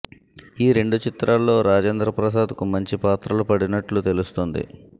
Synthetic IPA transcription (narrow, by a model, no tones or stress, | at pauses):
iːɾe̞ɳɖut͡ʃit̪ɾaːlːo̞ːɾaːd͡ʒeːnd̪ɾɐpɾɐs̬aːd̪kumɐɲt͡ʃipaːt̪ɾɐlupɐɽinɐʈlut̪e̞lust̪ond̪ḭ